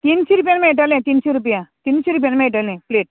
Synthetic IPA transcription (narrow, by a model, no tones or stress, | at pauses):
t̪insiɾupjanmẽeʈalẽt̪inɕeɾup̬jat̪inɕeɾup̬janmẽeʈalẽpleːʈ̚